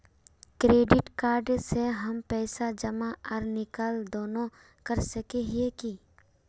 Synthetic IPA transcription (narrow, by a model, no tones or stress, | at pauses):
kɾeːɖɪʈkaːɾɖseɦɐmpɛːsad͡ʒɐmaʔɔɾnɪkaːld̪oːnõ | kɐɾsɐkeɦieki